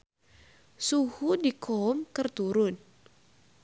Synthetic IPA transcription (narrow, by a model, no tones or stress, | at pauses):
suhudikʰɔmkərt̪uɾʊn